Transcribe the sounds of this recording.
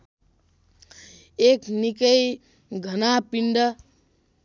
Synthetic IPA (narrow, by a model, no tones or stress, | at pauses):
eknikəj | ɡʱənapiɳɖʌ